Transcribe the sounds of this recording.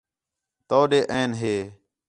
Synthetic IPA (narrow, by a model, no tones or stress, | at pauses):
t̪oːɗeːʔəːnɦeː